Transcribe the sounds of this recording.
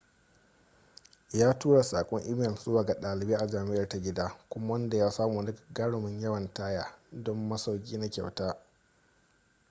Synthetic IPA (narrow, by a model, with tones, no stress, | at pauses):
jaː˦tuː˦ɽa˨saː˨kʷʼɔ˦ŋʔi˦mɛ˦˨lzʊ˦waː˨ɡa˨ɗaː˨lɪ˨beː˦ʔa˨d͡ʒaː˨mɪ˦ʔɐ˨rta˦ɡʲɪ˦daː˦kʷʊ˦ma˦wɐ˦nda˨jaː˦saː˦muː˨ndɪ˦kɡɐ˦ɽʊ˨mɪ˦ɲjɐ˦wɐ˨ntaː˦jaː˦dɔ˦mːɐ˦sa˦wkʲʼiː˦na˦kʲa̰˨wtaː˦